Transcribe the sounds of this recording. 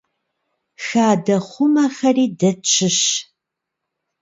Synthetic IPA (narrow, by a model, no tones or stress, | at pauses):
xaːdɐχʷʊmɐχɐriːdɐt͡ʃʼʰɪɕ